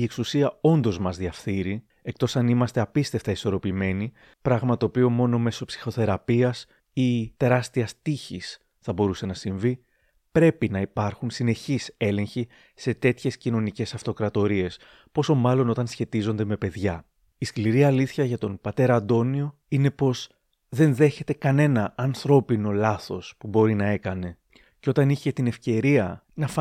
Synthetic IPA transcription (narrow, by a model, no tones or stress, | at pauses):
ie̞ksusiɐo̞nd̪o̞zmɐzðiɐfθiɾi | e̞kt̪o̞sɐnimɐst̪e̞ɐpist̪e̞ft̪ɐiso̞ɾo̞pime̞ni | pɾɐɣmɐt̪oːpio̞mo̞no̞me̞so̞psi̥xo̞θe̞ɾɐpiɐs | it̪e̞ɾɐst̪iɐst̪içis | θɐbo̞ɾuse̞nɐsiɱvi | pɾe̞pinɐipɐɾxunsine̞çise̞le̞ɲçi | se̞t̪e̞t̪çe̞scino̞nice̞sɐft̪o̞kɾɐt̪o̞ɾie̞s | po̞so̞mɐlo̞no̞t̪ɐnsçe̞t̪izo̞nd̪e̞me̞pe̞ðʝɐ | iskliɾiɐliθçɐʝɐt̪o̞npɐt̪e̞ɾɐɐnd̪o̞nio̞ | ine̞po̞z | ðe̞nðe̞çe̞t̪e̞kɐne̞nɐːnθɾo̞pino̞lɐθo̞spubo̞ɾinɐe̞kɐne̞ | ceo̞t̪ɐniçe̞t̪ine̞fce̞ɾiɐ | nɐf